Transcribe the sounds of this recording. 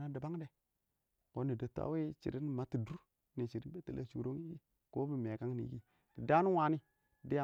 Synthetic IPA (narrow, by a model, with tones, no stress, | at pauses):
na˦da˨ba˦ŋ˦de˨ | ko˨˦ni˨də˨ta̰˦we˦t͡ʃḭ˨ɾi˦n˨ma˨ti˨du˦ɾ | ni˨t͡ʃi˨ɾi˦n˦be˦ti˨la̰˦t͡ʃṵ˨ɾo˦ŋi˦ɡi˦ | ko˦bi˨me˨ka˦ŋnḭ˨˦ɡi˦ | ti˨da˦ni˦wa˨˦ni˦ | ti˨de˦a˨